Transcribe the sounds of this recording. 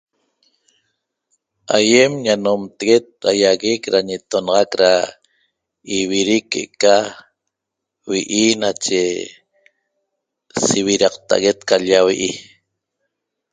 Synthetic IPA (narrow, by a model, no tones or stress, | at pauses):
a̰jemɲanomt̪eɣet̪̚ɾajaɣikɾaɲet̪onɑʁɑkɾa | iβiɾikːeʔka | wiʔinat͡ʃe | siβiɾɑqt̪a̰ʔaɣe̞t̪kaʎawiʔi